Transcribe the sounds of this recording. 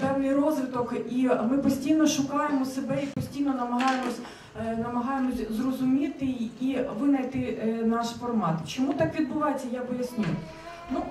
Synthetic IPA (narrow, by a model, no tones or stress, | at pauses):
pɛwnʲijrɔzʋʲɪt̪ɔkimɪpɔsʲtʲijnɔʃʊkɑjemɔsebɛipɔsʲtʲijnɔnɐmɐɦɑjemɔsʲ | nɐmɐɦɑjemɔsʲzrɔzʊmʲit̪ɪiʋɪnɐjt̪ɪnɑʃfɔrmɑt̪ɪt͡ʃɔmut̪ɑkʋʲid̪̚bʊʋɑjet͡sʲːɐjapɔjɐsʲnʲuj | nu